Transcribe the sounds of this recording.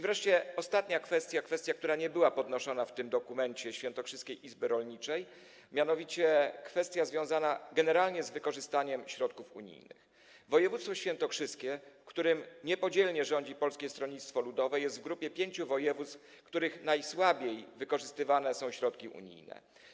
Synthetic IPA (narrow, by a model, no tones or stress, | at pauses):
ivɾɛʂt͡ɕɛɔst̪at̪ɲakfɛst̪ʲjakfɛst̪ʲjak̚t̪uɾaɲɛbɘwapɔd̪nɔʂɔn̪aft̪ɘmd̪ɔkumɛɲt͡ɕɛɕfʲjɛnt̪ɔkʂɘskʲejʔizbɘɾɔlɲit͡ʂɛj | mʲjanɔvʲit͡ɕɛkfɛst̪ʲjazvʲjɔ̃w̃zanaɡɛnɛɾalɲɛzvɘkɔʐɘst̪aɲɛmɕɾɔt̪̚kufṵɲḭjnɘ̰x | vɔjɛvut̪st̪fɔɕfʲjɛnt̪ɔkʂɘskʲɛfkt̪uɾɘmɲɛpɔd͡ʑɛlɲɛʐɔɲd͡ʑipɔlskʲɛst̪ɾɔɲit̪st̪fɔlud̪ɔvɛjɛst̪vɡɾupʲjɛpʲjeɲt͡ɕuvɔjɛvut̪stf | kt̪uɾɘxnajswabʲjejvɘkɔʐɘst̪ɘvan̪ɛsɔ̃w̃ɕɾɔt̪kʲiʔṵɲḭjnɛ̰